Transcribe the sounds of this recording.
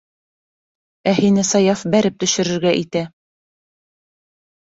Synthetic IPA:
æhinɘsɑjɑfbæɾɘp̚t̪ɵ̆ʃɘ̆ɾɘ̆ɾɡæʔit̪æ

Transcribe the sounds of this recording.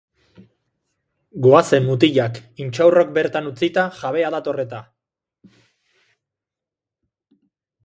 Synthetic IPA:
ɡoase̞mːut̪̬iʎakint͡ʃawrok̚be̞ɾt̪anut͡sit̪aʝaβ̞e̞aðat̪o̞re̞t̪a

